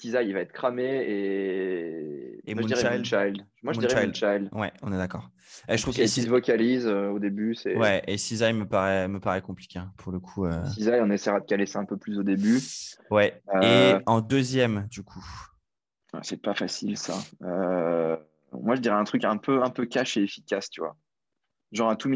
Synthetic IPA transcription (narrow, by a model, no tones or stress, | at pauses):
sizajivaɛt̪χkχameː | emũiʁɛajʃajld̪ | mwaʒəmuiʁɛajʃajlwɛɔ̃nɛd̪akɔːʁ | eʒət̪χuvsit̪vɔkʲalizøod̪ebysɛwɛʔesizajməpaʁɛməpaʁɛkɔ̃pli̥kʲeɛ̃pʰuʁləkʰuøizajɔ̃nesɛjʁad̪əkalesaɛ̃pøplysod̪ebywɛøeɑ̃d̪øzjɛmd̪ykʰu | a̰sɛpafasilsa̰ø | mwaʒəd̪iʁɛɛ̃t̪χykɛ̃pʰøɛ̃pøkʲaʃeefi̥kʲast̪yvwa̰ | ʒɑ̃ʁɛ̃t̪um